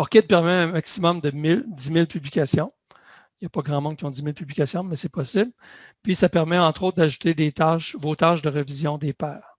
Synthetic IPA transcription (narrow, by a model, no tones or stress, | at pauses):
ɔʁkʲɛt̪̚pɛʁmɛɛ̃maksimɔmd̪əmɪldd͡zimɪlpyblikʲasjɔ̃ | japɔɡʁɑ̃mɑ̃kʲijɔ̃d͡z̪imɪlpyblikʲaːsjɔ̃mɛsɛpɔsɪblpɥisapɛʁmɛɑ̃t̪ʁot̪̚d̪aʒut̪ed̪et̪aʃvot̪aʒd̪əʁəvizjɔ̃d̪eːpɛːʁ